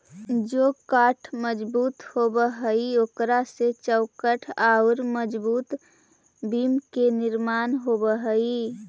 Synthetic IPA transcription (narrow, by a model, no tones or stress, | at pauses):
d͡ʒoːkaːʈʰməd͡ʒbuːt̪hobəɦəioːkɾaset͡ʃəʊkəʈʰaːʊɾməd͡ʒbuːt̪ | biːmkenɪɾmaːnɦobəɦəi